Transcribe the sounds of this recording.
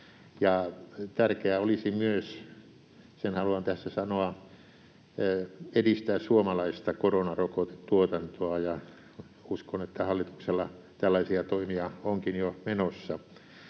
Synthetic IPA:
jɑt̪ærkeæolisimyøs | senhɑluɑnt̪æsːæsɑnoɑ | edist̪æːssuomɑlɑist̪ɑkoronɑrokot̪ett̪uot̪ɑnt̪oɑjɑ | uskonet̪ːæhɑlːit̪u̥kselːɑ | t̪ælːɑisiɑt̪oimiɑoŋkinjomenosːɑ

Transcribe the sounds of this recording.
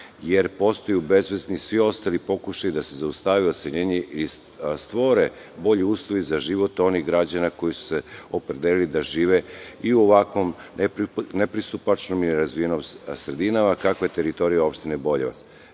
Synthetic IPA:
je̞ɾpo̞st̪o̞jube̞zʋeznisʋio̞st̪alipo̞kuʃajud̪ase̞zaust̪aʋio̞t̪seʎeːɲeʔi | st̪ʋo̞ɾe̞ | bo̞ʎiuːslˠoʋizaʒiʋo̞t̪o̞niɣɡɾad͡ʑanako̞jisu̥seo̞pɾed̪elilid̪aʒiːʋe̞iuoʋakʋo̞mnnepɾist̪upat͡ʃnomilɛɾazvʋie̞nomsɾe̞d̪inamakakoje̞t̪e̞ɾit̪o̞ɾijao̞pʃt̪inebo̞ʎeʋa̰t̪s

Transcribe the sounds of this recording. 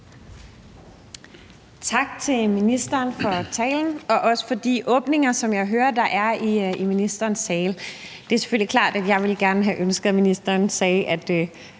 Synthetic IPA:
t͡sʰɑ̈ɡ̥t͡sʰe̝lminisd̥ɐːnfɒ̽t͡sʰɛ̰ːln̩ɒ̽ʔɒ̽sə̥fɒ̽d̥iʔɔ̽ːb̥ne̝ŋɐsɒ̽mjɑ̈ɪɦøːɐd̥ɑ̈ʔæɐiiminisd̥ɐːnsːɛːl | d̥e̝æɐse̝̥føl̰likʰlɑ̰̈ːd̥æd̥jɑ̈ɪʋe̝lɡ̥æɐnəɦæʔønsɡ̥ð̩ˠminisd̥ɐːnsɛːʔæd̥ə

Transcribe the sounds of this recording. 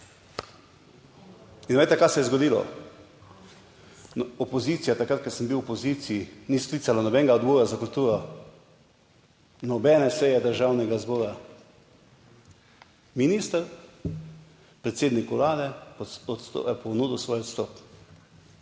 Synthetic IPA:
inʋejt̪ɛkajsɛjɛzɡɔd̪iːlɔ̰ | nɔpɔzit̪sijat̪akɾat̪̚kəɾsəmbiwɔpɔziːt̪sijiniskliːsalanɔbɛŋɡaɔd̪bɔːɾazakult̪uːɾɔ | nɔbɛːnɛsɛjɛd̪əɾʒawnɛɡazbɔːɾa | miniːst̪əɾ | pɾɛt̪seːd̪nikwlaːd̪ɛɔt̪st̪o̰ɛpɔnuːd̪usʋɔːjɔt̪st̪ɔːp

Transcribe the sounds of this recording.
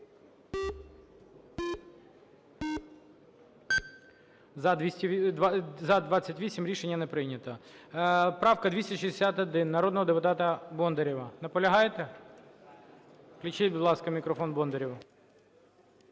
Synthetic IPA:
isʲ | zɐd̪ʋɑt͡sʲːɐtʲʋʲisʲimɾʲiʃenʲːɐnɛpɾɪnʲɐt̪ɐ | pɾɑwkɐd̪ʋʲisʲtʲɐʃizd̪esʲat̪ɐd̪ɪnːɐɾɔd̪nɔɦɔd̪epʊt̪ɑt̪ɐbɔnd̪eɾʲiʋɐnɐpɔlʲɐɦɑjt̪ɛ | klʲit͡ʃɪtʲbʊd̪lˠɑskɐmʲikɾɔfɔnbɔnd̪eɾʲiw

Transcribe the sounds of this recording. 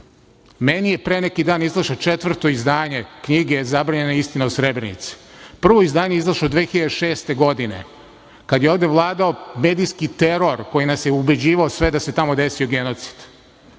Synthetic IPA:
menijepɾenekid̪aːnizlˠaʃot͡ʃet̪vr̩t̪o̞izd̪aːɲe̞kɲiɡezabɾaːɲe̞naist̪inausɾebɾenḭt̪si̥pr̩ʋo̞izd̪aːɲeizlˠaʃod̪ʋexiʎad̪eʃe̞ːst̪e̞ɡo̞d̪ine̞̰ | kad̪jeo̞ːʋd̪eʋlˠaːd̪ao̞meːd̪ijskit̪e̞ɾo̞ɾko̞jinasjeube̞d͡ʑiːʋaosʋe̞d̪ase̞t̪amo̞d̪e̞sioɡe̞no̞t̪si̥d̪̥

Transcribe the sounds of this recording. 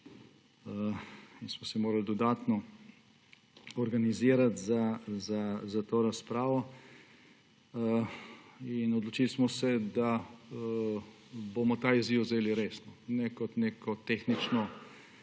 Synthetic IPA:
əinsmɔsɛmoːɾald̪ɔd̪aːt̪nɔ | ɔɾɡaniziːɾat̪zazazat̪oːɾaspɾaːʋɔ | inɔd̪lɔt͡ʃilsmɔsɛd̪a | boːmɔt̪aːiziwzeːliɾeːsnɔnɛkɔt̪neːkʰɔt̪exnit͡ʃnɔ

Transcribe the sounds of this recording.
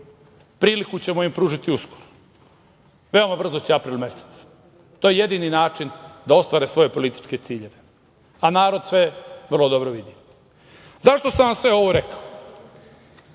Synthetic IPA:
pɾiːlikut͡ɕe̞moimpɾuːʒit̪iusko̥ɾo̥ | ʋe̞o̞mabr̩zot͡ɕeapɾiːlˠme̞se̥t̪s | t̪o̞jeje̞d̪ininaːt͡ʃind̪ao̞st̪ʋaːɾesʋo̞je̞po̞lit̪i̥t͡ʃke̞t̪siːʎe̞ʋe̞ | anaːɾo̞d̪sʋe̞ʋərlˠo̞d̪o̞bɾoʋid̪i | zaʃt̪o̞sanʋamsʋe̞o̞ʋoɾe̞kao

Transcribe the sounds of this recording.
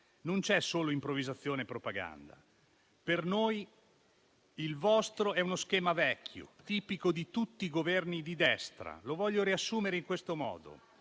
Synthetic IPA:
nont͡ʃɛsːoːloimpɾovizat̪sːjoːnepɾopaɡa̰nd̪a̰ | pernoj | ilvɔst̪ɾoɛunoskɛːmavɛkʲʰːjo̰t̪iːpikod̪it̪ut̪ːiːɡovɛrnid̪id̪ɛst̪ɾa̰lovɔʎːoɾiasːuːmeɾeiŋkwest̪omɔ̰ːd̪o̰

